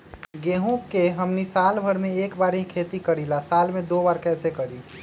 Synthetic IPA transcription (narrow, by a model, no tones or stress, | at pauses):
ɡeɦũkeɦəmnisalbʱəɾmeekbaɾɦĩkʰet̪ikəɾilasalmed̪obaɾkɛsekəɾi